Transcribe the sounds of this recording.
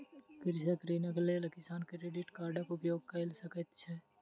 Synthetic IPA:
kɪɾsɐkɾiːnɐɡlelɐkɪsaːnkɾeɖɪʈkaːɾɖəkʊpjoːɡ̚kɐɪlsɐkət̪t͡ʃʰɛ

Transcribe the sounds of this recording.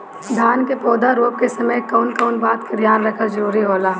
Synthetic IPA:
d̪ʱjaːnkepɔːd̪aɾoːp̚kesɐməjkɔːnkɔːnbaːt̪ked̪ʱjaːnɾɐkʰazɐɾuːɾiɦoːlaː

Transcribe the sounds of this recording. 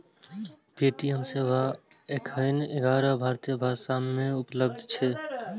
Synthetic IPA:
peːʈijəmseːʋa | ekʰəjneɡaːɾəbʱaːɾt̪ijəbʱaːsamːẽupləb̚d̪ʱt͡ʃʰɛ

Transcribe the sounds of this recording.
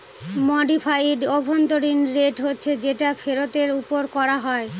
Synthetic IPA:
mɔɖifʰajɖɔbʱont̪oɾinɾeʈɦotːɕʰed͡ʑeʈafeɾot̪eɾupoɾkɔɾaɦɔe

